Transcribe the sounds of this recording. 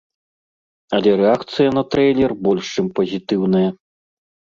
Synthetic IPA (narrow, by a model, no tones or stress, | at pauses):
ɐlʲɛɾɛakt̪sɨjɐnɐt̪ɾɛjlʲɛrbɔlʲʂt͡ʂɨmpɐzʲit̪ɨwnɐjɐ